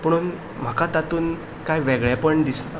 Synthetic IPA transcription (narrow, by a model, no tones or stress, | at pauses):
pəɽ̃uːn | m̤akat̪at̪uːn | kajʋeɡɭjapəɳd̪isna